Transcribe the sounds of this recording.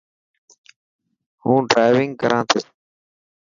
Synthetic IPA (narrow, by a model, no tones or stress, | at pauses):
hũːɖɾaːɪʋɪŋɡkəɾʔãːt̪ʰo